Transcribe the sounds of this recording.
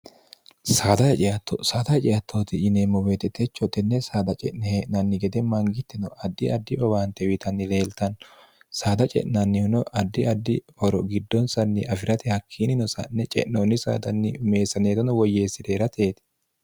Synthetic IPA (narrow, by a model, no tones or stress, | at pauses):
saːd̪ɐhɛt͡ʃʼɪjɐt̪ːosaːd̪ɐhɛt͡ʃʼɪjɐt̪ʰːoːt̪ɪɪnemːɔweːt̪ɛt̪ɛt͡ʃːɔt̪ɛnːɛsaːd̪ɐt͡ʃʼɛʔnɛheʔnɐnːɪɡɛd̪ɛmɐŋɡɪt̪ːɪnɔʔɐd̪ːɪʔɐd̪ːɪɔbaːnt̪ɛwɪt̪ʰɐnːɪle̞ːlt̪ɐn | saːd̪ɐt͡ʃʼɛ̰ʔnɐnːɪhʊnɔʔɐd̪ːɪɐd̪ːɪhɔɾɔɡɪd̪ːɔnsɐnːɪʔɐfɪɾɐt̪ɪhɐkʰːiːnɪnɔsɐ̰nːɛt͡ʃʼɛ̰ʔnoːnːɪsa̰ːd̪ɐnːɪʊme̞ːsːɐneːt̪ɔnɔwɔjːeːsːɪd̪eːɾɐt̪ʰe̞ːt̪ɪ̥